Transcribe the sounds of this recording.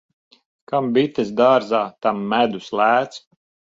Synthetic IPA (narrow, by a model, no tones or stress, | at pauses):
kambit̪ʲesd̪aːɾzaːt̪amːæd̪uslˠæːt̪s